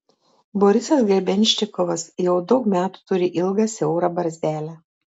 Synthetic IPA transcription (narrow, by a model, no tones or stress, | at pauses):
boːɾʲɪsʲɛsɡɾʲɛbʲɛnʲʃʲt̪ʲɪkɔʋɐsjɛʊd̪ɒʊkmʲæːt̪u̥t̪ʊɾʲɪʔɪlˠɡɑːsʲɛʊɾɑːbɐɾʲzʲæːlʲæ